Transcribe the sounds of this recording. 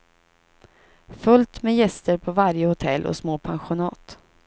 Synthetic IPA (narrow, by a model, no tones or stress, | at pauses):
fɵlt̪mɛjɛst̪əɾpʰɔvaɾjəhʊt̪ʰɛlʔɔ̰smoːpʰanɧʊnɑːt̪